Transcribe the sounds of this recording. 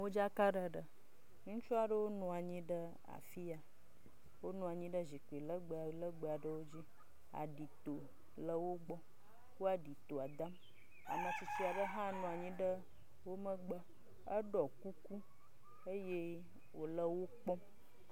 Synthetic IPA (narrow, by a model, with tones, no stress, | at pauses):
wo˦d͡ʒa˦ka˦ɖə˦ɖə˨ | ŋũ˦t͡ʃɔ˦a˨ɖə˦wo˦nɔ̃˨a˨ɲĩ˦ɖə˦ | a̰˨fi˦a˨ | wo˦nɔ̃˨a˨ɲĩ˦ɖə˦zi˨k͡pi˨lə˦ɡ͡bə˨lə˦ɡ͡bə˨a˨ɖə˦wo˦d͡ʑi˦ | a̰˨ɖi˨t̪o˨ | lə˦wo˦ɡ͡bɔ˦ | wo˦a˨ɖi˨t̪o˨a˨d̪ã˦m | a̰˨mə˨si˨si˦a˨ɖə˦ɦã˦nɔ̃˨a˨ɲĩ˦ɖə˦ | wo˦mə˦ɡ͡bə˦ | ə˦ɖɔ˨ku˦ku˦ | ə˦je˦ | wo˨lə˦wo˦k͡pɔ˦